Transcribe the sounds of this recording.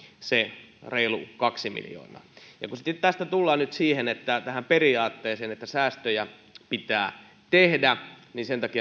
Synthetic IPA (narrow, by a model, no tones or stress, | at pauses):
sereilṵkɑksimḭljo̰ːnɑ̰ːjɑ̰kusit̪et̪t̪æst̪æt̪ulːɑːnyt̪siːhenet̪ːæt̪æhæmperiɑːt̪ːeːseːnet̪ːæsæːst̪øjæ | pit̪æː | t̪ehdæninsent̪ɑkijɑ